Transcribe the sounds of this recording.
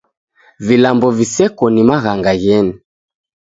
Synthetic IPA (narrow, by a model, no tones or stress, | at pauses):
vilambɔvisɛkɔnimaɣaŋɡaɣɛni